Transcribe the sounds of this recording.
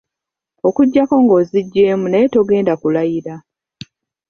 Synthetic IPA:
o̞kuɟːako̞ŋɡo̞ːziɟːe̞ːmunajeto̞ɡe̞ːndakulajiɾa

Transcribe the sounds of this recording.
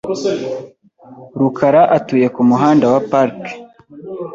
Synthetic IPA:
ɾukʰaɾaʔatuje̞kumuɦaːndawapaɾk

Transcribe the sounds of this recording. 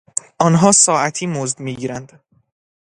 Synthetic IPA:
ʔɒːnɦɒːsɒːæt̪ʰiːmozd̪miːɟiːɾænd̪

